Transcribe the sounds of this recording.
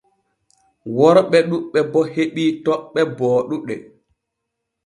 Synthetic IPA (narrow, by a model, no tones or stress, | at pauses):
wɔɾɓɛɗuɓːɛbɔheɓiːtɔɓːɛbɔːɗuɗɛ